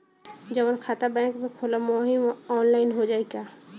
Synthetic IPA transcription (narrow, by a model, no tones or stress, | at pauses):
d͡ʒəmənkʰaːt̪abɛ̃kmẽkʰolamoɦɪmɔːnlaːɪnɦod͡ʒaːeka